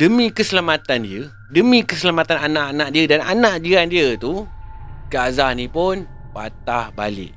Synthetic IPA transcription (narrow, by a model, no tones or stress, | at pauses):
dəmĩkəsəlamãt̪andiə | dəmĩkəsəlamat̪ananãʔanãʔ̚diədana̰nãʔ̚d͡ʒiɾandiət̪u | kəazahnĩpʊn | pa̰t̪ahba̰lɪ̰ʔ̚